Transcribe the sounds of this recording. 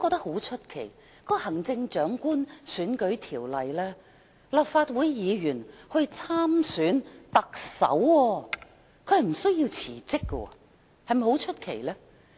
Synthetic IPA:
kɔ˧t̪ɐ˥k̚ho˨˥wt͡ʃʰɵ˥t̚kʰe˨˩j | kɔː˧˥hɐ˨˩ŋt͡sɪ˧ŋt͡ʃœː˨˥ŋkuː˥nsyː˨˥nkɵ˨˥ɥt̪ʰiː˨˩wlɐ˨jlɛː˥ | lɐ˨p̚faː˧t̚wuː˨˥jjiː˨˧jyː˨˩nhɵ˧ɥt͡sʰaː˥msyː˨˥nt̪ɐ˨k̚sɐ̰˨˥wɔː˧ | kʰɵ˨˧ɥhɐ˨˩m̩˨˩sɵ˥ɥji˧wt͡sʰḭː˨˩t͡sɪ˥kːɔ̰˧˨ | hɐ˨jmɐ˨˩ho˨˥wt͡ʃʰɵ˥t̚kʰe˨˩jlɛː˥

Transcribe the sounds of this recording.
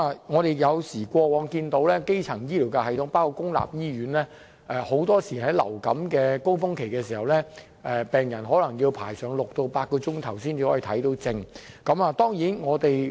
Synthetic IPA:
a˨˧ŋɔː˨˧ɾe˨˩jjɐ˨˧wsiː˨˩kʷɔː˧wɔː˨˧ŋkiː˧nt̪o˨˥wlɛː˥ke˥jt͡sʰɐ˨˩ŋjiː˥liː˨˩wkɛ˧hɐ˨jt̪ʰʊ˨˥ŋpaː˥wkʰo˧kʊ˥ŋla̰ː˨p̚jiː˥ɥyː˨˥nlɛː˥ | ʔɛː˨˧ho˨˧˥wt̪ɔː˥siː˨˩hɐ˨˥jlɐ̰˨˩wkɐ̰˨˥mkɛː˧ko˥wfʊ˥ŋkʰe˨˩jkɛː˧siː˨˩hɐ˨wlɛː˥ | ʔɛː˧pɛː˨ŋjɐ˨˩nɦɔː˨˥lɐ˨˩ŋjiː˧wpʰaː˨˩jsœː˨˩ŋlʊ˨k̚t̪o˨˧wpaː˧t̚kɔː˧t͡sʊ˥ŋt̪ʰɐ˨˩wsiː˥niː˧hɔː˨˦˥iː˧˩t̪ʰɐ˨˥jt̪o˨˥wt͡sɪ˧ŋ | kɐ˨˥maː˨˧t̪ɔː˥ŋjiː˨˥nŋɔː˨˧t̪e˨j

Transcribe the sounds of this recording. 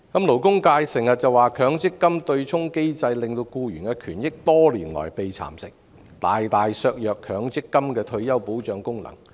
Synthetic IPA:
kɐ˨˦˥mlo˨˩wkʊ˥ŋkaː˧jsɪ˨˩ŋsɐ˨t̚t͡sɐ˨waː˨˩kʰœː˨˧˥ŋt͡sɪ˥kːɐ˥mt̪ɵ˧ɥt͡sʰʊ˥ŋke˥jt͡sɐ˧jlɪ˨˩ŋt̪o˧wkuː˧jyː˨˩nkɛ˧kʰyː˨˩njɪ˥k̚t̪ɔː˥liː˨˩nlɔ̰ː˨˩jpe˨jt͡sʰa̰ː˨˩msɪ˨˩k̚ | t̪a̰ː˨jt̪aː˨jsœː˧k̚jœː˨kʰœː˨˥ŋt͡sɪ˥kːɐ˥mkɛː˧t̪ʰɵ˧ɥjɐ˥wpo˨˥wt͡ʃœː˨˧ŋkʊ˥ŋnɐ̰˨˩ŋ

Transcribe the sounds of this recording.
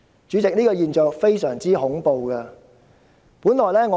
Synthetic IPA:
t͡ʃyː˨˧t͡sɪ˨k̚niː˥kɔː˧jiː˨˧nt͡ʃœː˨˧k̚fe˥jsœː˨˩ŋt͡siː˥hʊ˨˥ŋpo˨˧wkɐ˧ | puː˨˥nlɔː˨jlɛː˥ŋɔ˨˧

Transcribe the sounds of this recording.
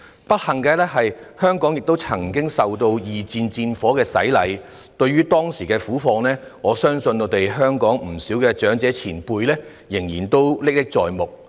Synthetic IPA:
pɐ˥t̚hɐ˨˩ŋkɛː˧lɛː˥ɦɐ˨jhœː˥ŋkɔː˨˥ŋjɪ˨k̚t̪o˥wt͡sʰɐ˨˩ŋkɪ˥ŋsɐ˨wt̪o˧wjiː˨t͡siː˧nt͡siː˧nfɔː˨˥kɛː˧sɐ̰˨˥jlɐ̰˨˧j | t̪ɵ˧ɥyː˥t̪ɔː˥ŋsiː˨˩kɛː˧fuː˨˥fɔː˧ŋlɛː˥ŋɔː˨˧sœː˥ŋsɵ˧nŋɔː˨˧˥t̪e˨jɦœː˥ŋkɔː˨˥ŋm̩˨˩siː˨˥wkɛː˧t͡ʃœː˨˥ŋt͡sɛː˨˥t͡sʰiː˨˩npuː˧jlɛː˥ | jɪ˨˩ŋjiː˨˩nt̪o˥wlɪ˥k̚lɪ˥k̚t͡sɔ̰ː˨jmʊ˨k̚

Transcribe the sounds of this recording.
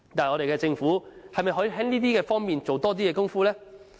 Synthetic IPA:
t̪aː˨jŋɔ˨˧ɾe˨jkɛ˧t͡sɪ˧ŋfuː˨˥hɐ˨jmɐ˨jɦɔː˨˥jɦɛː˨˥ŋliː˥t̪̬iː˥kɛː˧fɔː˥ŋmiː˨nt͡so˨wt̪ɔː˥t̪i˥jɛː˨˧kʊ˥ŋfuː˥lɛː˥

